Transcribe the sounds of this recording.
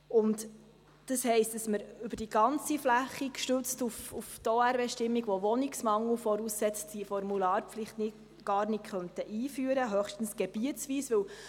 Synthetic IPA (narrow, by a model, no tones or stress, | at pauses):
ʊnt | d̥ɑshɛɪstd̥ɑsməɾʉbəɾd̥iɡɑnt͡siflæχːikʃtøt͡stufuft̪oæɾveʃtɪmːiɡʋɔʋɔniksmɑŋːləfɔɾusːɛt͡sd̥ifɔɾmulɑːɾpflɪχtnɪ | ɡ̥ɑːɾnɪkkχœnt̪əʔiːfyːəɾəɦœχʃtn̩sɡ̥ɛb̥iəsʋiːsʋɵw